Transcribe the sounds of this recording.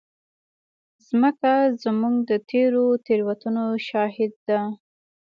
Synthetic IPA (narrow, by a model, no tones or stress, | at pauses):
zməkazmuɡd̪ət̪ʰeɾot̪eɾwat̪unoʃɑɦɪd̪̚ːa